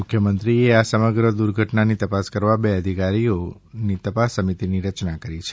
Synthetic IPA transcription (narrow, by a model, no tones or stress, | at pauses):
mʊkʰjəmənt̪ɾieasəməɡɾəd̪uɾɡʱəʈnanit̪əpaskəɾʋabeəd̪ʱikaɾijo | nit̪əpasːəmit̪iniɾət͡ʃnakəɾit͡ʃʰe